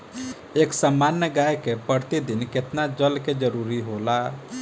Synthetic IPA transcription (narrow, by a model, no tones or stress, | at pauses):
eksamːanjəɡajkepəɾt̪id̪inket̪nad͡ʒəlked͡ʒəɾuɾiɦola